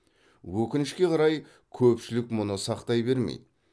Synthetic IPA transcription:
wɵkʲɪnɪʃkʲe̞qʰɑɾɑj | kʲʰɵpʃɪlɪkmʊnəsɑqt̪ɑjbe̞ɾmḛjd̪ɪ

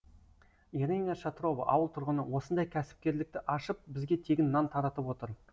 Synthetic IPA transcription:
eɾenʲijaʃat̪ro̞bə̰ʔɑwəlˠt̪ʰʊɾʁənəwo̞sənd̪ɑjkʲʰæsɪ̥p̚kʲe̞ɾlɪk̚t̪ɪʔɑʃəp̚bɪzɡʲe̞t̪ʰe̞ɡʲɪnːɑnt̪ʰɑɾɑt̪əpwo̞t̪əɾ

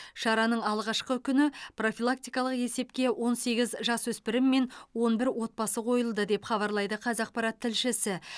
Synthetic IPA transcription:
ʃɑɾɑnəɴɑlˠʁɑʃqəkʲʰʏnɪpro̞filˠakt̪ijkɑlˠəqe̞se̞pkʲe̞wo̞nse̞ɡʲɪzʒɑswɵspɪɾɪmːe̞nwo̞nbɪɾwo̞t̪̚pɑsəqʰo̞jəlˠd̪əd̪e̞pχɑβɑɾlˠɑjd̪əqʰɑzɑq̚pɑɾɑt̪ʰːɪlʃɪsɪ

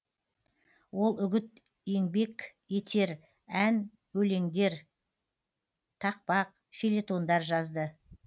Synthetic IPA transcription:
wo̞lˠʏɡʲɪt̪ | je̞ŋbe̞kje̞t̪ʰe̞ɾ | æn | wɵle̞ŋd̪e̞ɾ | t̪ʰɑq̚pɑq̚ | filet̪o̞nd̪ɑɾʒɑzd̪ə

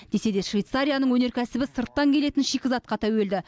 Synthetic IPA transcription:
d̪̥e̞sed̪e̞ʃvejt̪saɾʲijanəɴwɵne̞ɾkʲʰæsɪbɪsəɾt̪ːɑŋkʲʰe̞le̞t̪ɪnʃikʲɪzɑt̪̚qɑt̪ʰæwe̞ld̪ɪ

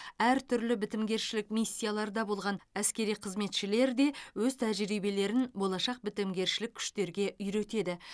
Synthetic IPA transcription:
æɾt̪ʰʏɾlɪbɪt̪ɪmɡʲe̞ɾʃɪlɪkmisʲːijalˠɑɾd̪ɑbo̞lˠʁɑnæskʲe̞ɾijqʰəzme̞t̪ʃɪle̞ɾd̪e̞wɵzt̪ʰæʒɾijbe̞le̞ɾɪnbo̞lˠɑʃɑq̚bɪt̪ɪmɡʲe̞ɾʃɪlɪkʲʰʏ̥ʃt̪e̞ɾɡʲe̞ʔʏjɾe̞t̪e̞d̪ɪ

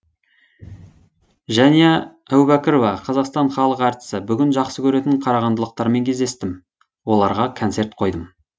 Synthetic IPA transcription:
ʒæne | æwbækʲɪɾovɑqʰɑzɑqst̪ɑɴχɑlˠəqɑɾt̪ə̥səbʏɡʲɪnʒɑqsəkʲʰɵɾe̞t̪ɪɴqʰɑɾɑʁɑnd̪əlˠəq̚t̪ɑɾme̞ŋkʲʰe̞zd̪e̞st̪ɪm | wo̞lˠɑɾʁɑkʰont̪se̞ɾt̪̚qʰo̞jd̪əm

